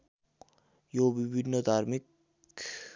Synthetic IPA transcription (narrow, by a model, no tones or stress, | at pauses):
jobiβinːəd̪aɾmik | k